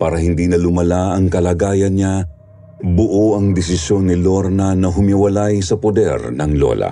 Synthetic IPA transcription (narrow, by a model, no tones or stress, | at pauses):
paːɾɐhɪnd̪iːnɐlʊmɐlaɐŋkɐlaːɡaːjɐnɲa | bʊʔoʔɐŋd̪ɪsɪsjo̞nːɪloɾnɐnɐɦʊmɪwɐlajsɐpod̪ɛ̰ɾnɐŋlo̰lɐ̰